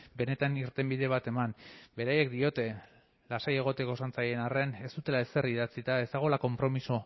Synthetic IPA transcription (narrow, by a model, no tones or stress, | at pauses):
be̞ne̞t̪aniɾt̪e̞mbiðe̞β̞at̪e̞manbe̞ɾaje̞kd̪io̞t̪e̞ | lasaje̞ɣ̞o̞t̪e̞ko̞sant͡saje̞nare̞ne̞st̪ut̪e̞laeseriðat͡sit̪aezd̪aɣ̞o̞lako̞mpɾo̞miso̞